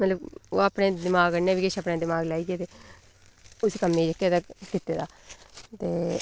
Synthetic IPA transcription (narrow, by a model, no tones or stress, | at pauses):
mət̪ləbo̰ːapnẽːd̪ɪmaːɡənẽːʋɪkeʃapneːd̪ɪmaːɡlaːiːɡeːt̪eː | ʊskəmːẽːd͡ʒəkːeːd̪aːkɪt̪ːeːd̪aːt̪eː